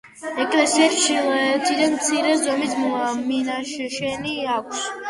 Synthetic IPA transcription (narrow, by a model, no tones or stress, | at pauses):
ɛkʰʼlɛsiɛt͡ʃilɔɛt̪ʰid̪anmt̪sʰiɾɛzɔmisʰmɔaminaʃʃɛniakʷʰs